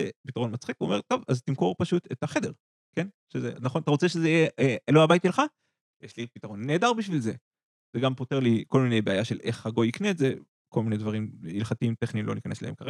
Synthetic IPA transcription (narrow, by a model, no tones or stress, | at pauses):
ḛpitaʁonmat͡sχikvuome̞ʁt̪o̞vazt̪imko̞ʁpaʃutethaχe̞de̞ʁ | ke̞n | ʃezeanaχonat̪aʁo̞t͡seʃezeijeloabaitʃelχa | jeʃlipitaʁo̞nːeːdaʁbiʃvilze̞ | z̥eɡampo̞teʁliko̞lmine̞jbeajaʃele̞χhaɡo̞jikneetze | ko̞lminedvaʁimilχatiimt̪eχnimlo̞nikanesla̰hḛmkaʁe